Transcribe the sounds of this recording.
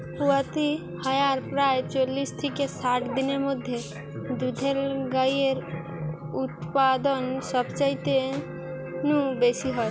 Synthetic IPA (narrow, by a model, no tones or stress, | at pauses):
puat̪i | həjaɾpɾaːjt͡ʃolist̪ʰikesaʈʰd̪inemʊd̪ʱje | d̪ud̪ʱelɡajeɾ | ut̪pad̪ənsɔbt͡ʃəit̪e | nũbesiɦɔt̪